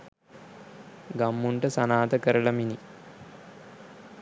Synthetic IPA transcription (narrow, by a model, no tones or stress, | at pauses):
ɡamːuɳʈəsanaːt̪əkəɾəɭɐmini